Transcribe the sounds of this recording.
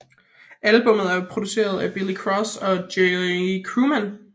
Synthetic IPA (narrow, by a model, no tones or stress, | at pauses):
ʔælb̥ɔ̽m̰ð̞̩ˠæɐpʰʁo̝d̥use̝̰ːɐð̞ˠæb̥ilikʰʁɒsɒ̽deikʰʁuːmæn